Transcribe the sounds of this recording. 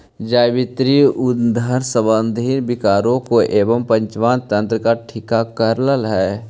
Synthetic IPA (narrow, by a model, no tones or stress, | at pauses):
d͡ʒaːjbɪt̪ɾiʊd̪ʱəɾsəbənd̪ʱiːnbɪkaːɾõkoʔeːʋəmpə̃ɲt͡ʃʋaːnt̪ə̃nt̪ɾəkaʈʰɪkakəɾləlɦɛː